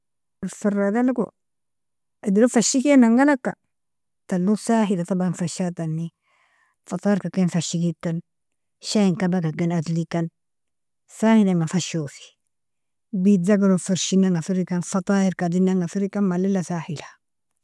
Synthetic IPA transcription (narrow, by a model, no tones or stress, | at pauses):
lfiɾadalko | idiɾufaʃikenaŋɡalakːa | talːusaɦilatabanfaʃatanːi | fataːɾkakenfaʃikitːan | ʃaiŋkabakakinadlikan | sahilamafaʃofi̥ | bidaɡaɾofiɾʃinaŋɡafiɾikanfatˤaːɪɾkadinːaŋɡafiɾikanmalilasahilḁ